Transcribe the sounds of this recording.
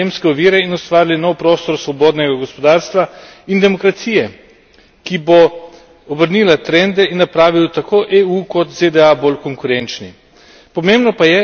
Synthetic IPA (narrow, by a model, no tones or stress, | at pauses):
emskɛɔʋiːɾɛinɔst̪ʋaːɾilinɔwpɾoːst̪ɔɾsʋɔboːd̪nɛɡaɡɔspɔd̪aːɾst̪ʋaind̪ɛmɔkɾat̪siːjɛ | kibo | ɔbəɾnilat̪ɾɛnd̪ɛinːapɾaːʋiwt̪akʰoːʔeukɔt̪zed̪ɛabolkɔŋkuɾɛnt͡ʃnḭ | pɔmembnɔpajɛ